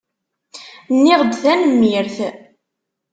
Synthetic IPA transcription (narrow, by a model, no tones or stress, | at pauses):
nːɪʁd̪θænmiɾθ